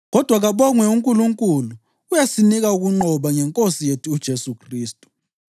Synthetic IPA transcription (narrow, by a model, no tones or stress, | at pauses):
ɣɔd̥ʱwaɣaβɔŋwɛuŋkʼuluŋkʼuluː | jasiniɣauɣuŋ͡ǃɔβaŋɛŋkʼosijetʰuːd̥ʒ̥ʱesukʰriːstʼu̥